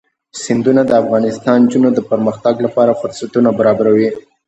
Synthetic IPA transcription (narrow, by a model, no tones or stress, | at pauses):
sɪnd̪unad̪əafɣɑnɪst̪ɑnd͡ʒunod̪əpəɾməxt̪aɡlapɑɾafʊɾsat̪unabaɾɑbaɾawi